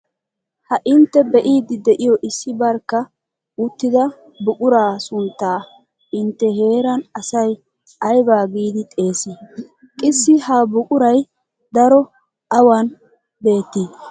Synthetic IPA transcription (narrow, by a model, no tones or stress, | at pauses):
hɐʔɪnt̪ːɛbɛʔiːd̪ɪd̪ɛʔɪjɔʔɪsːɪbɐɾkːɐ | ʊt̪ːɪd̪ɐ | bʊkʼʊɾaːsʊnt̪ːaː | ɪnt̪ːɛɦe̞ːɾɐnɐsɐj | ɐjbaːɡiːd̪ɪt̪ʼe̞ːsi | kʼɪsːɪhɐbʊkʼʊɾɐj | d̪ɐɾɔ | ɐwɐn | be̞ːt̪ːiː